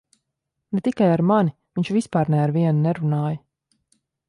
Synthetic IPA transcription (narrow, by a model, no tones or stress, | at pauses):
nɛt̪ikajaɾmaniviɲʲt͡ʃvispaːɾnɛaɾviɛnunɛɾunaːjə